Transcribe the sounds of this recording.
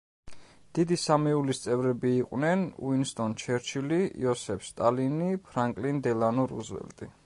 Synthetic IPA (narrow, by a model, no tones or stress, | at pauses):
d̪̥id̪isamɛulist̪sʼɛvɾɛbiːqʼwnɛnṵinst̪ʼɔnt͡ʃʰɛɾt͡ʃʰiliḭɔsɛfst̪ʼalinipʰɾaŋkʼlind̪ɛlanɔɾṵzwɛ̰lt̪ʼi